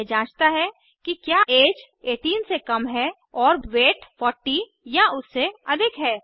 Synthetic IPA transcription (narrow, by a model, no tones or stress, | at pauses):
d͡ʒãːt͡ʃt̪aɦɛ | kikjaːʔeːd͡ʒ | eːʈiːnsekɐmɦɛ | ɔːɾweːʈfɔːɾʈːi | jaʊsːeɐd̪ʱɪkɦɛː